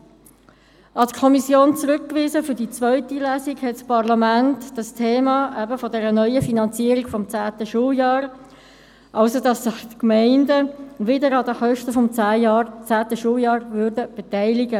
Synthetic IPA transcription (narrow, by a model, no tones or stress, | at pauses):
ʔɑtkʰɔmisjoːnt͡sʁʉkːʋiːzəfʏɾdit͡svœʏtilæːsiɡhɛtspʰɑʁlɑmæntd̥ɑstʰeːmɑʔæbəfɔdɛɾənœʏəfinɑnt͡siəɾiɡ̥fɔmt͡sæːtəʃuːljɑːɾ | ʔɑʊsodɑsːɪχtkmæɪndəʋɪdəɾɑdəχœʃtəfɔmt͡sæːjɑt͡sæːtəʃuːljɑːɾvʉːɾdəb̥etæɪlɪɡə